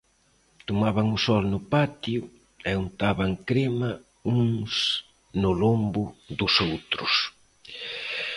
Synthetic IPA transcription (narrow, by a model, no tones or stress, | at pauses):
t̪omaβaŋʊsɔlnʊpat̪jʊ | ɛunt̪aβaŋkɾema | uŋs | nʊlombʊd̪ʊsowt̪ɾʊ̰s